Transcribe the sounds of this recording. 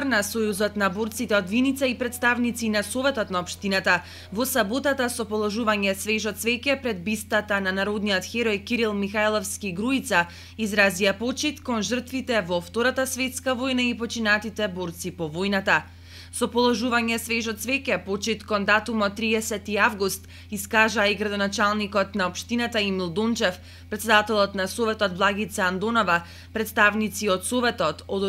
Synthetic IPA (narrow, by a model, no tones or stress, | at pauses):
rnasojuzɔt̪naboɾt̪sit̪ɛɔd̪vinit̪saipɾɛt̪st̪avnit̪sinasovɛt̪ɔt̪naɔpʃt̪inat̪a | vɔsabot̪at̪asɔpɔlˠɔʒuvaɲɛsvɛʒɔt̪svɛkɛpɾɛd̪̚bist̪at̪ananaɾod̪nijɔt̪xɛɾɔjkiɾilˠmixajlˠɔfskiɡɾuit̪sa | izɾaziapot͡ʃit̪kɔnʒər̩t̪vit̪ɛvɔft̪oɾat̪asvɛt̪skavojnaipɔt͡ʃinat̪it̪ɛboɾt̪sipɔvojnat̪a | sɔpɔlˠɔʒuvaɲɛsvɛʒɔt̪svɛkɛpot͡ʃit̪kɔnd̪at̪umɔt̪ːɾiɛsɛt̪iavɡust̪ | iskaʒaːiɡɾad̪ɔnat͡ʃalˠnikɔt̪naɔpʃt̪inat̪aimilˠd̪ont͡ʃɛf | pɾɛt̪sɛd̪at̪ɛlˠɔt̪nasovɛt̪ɔt̪̚blˠaɡit̪saand̪onɔva | pɾɛt̪st̪avnit̪siɔt̪sovɛt̪ɔt̪ɔd̪